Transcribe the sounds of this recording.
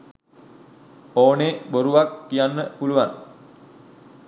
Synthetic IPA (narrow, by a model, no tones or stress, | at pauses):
oːneboɾuʋakːijanːəpuluʋan